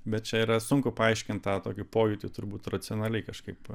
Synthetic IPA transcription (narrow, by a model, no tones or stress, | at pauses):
bʲɛt̪̚t͡ʃʲɛiːɾɐsʊŋkʊpɐɐɪʃʲkʲɪnt̪̚t̪ɑːt̪oːkʲʊpoːjʊt̪ʲɪt̪ʊɾbuːt̪rɐtt͡ssʲɪonɐlʲɛɪkɐʃkɐɪp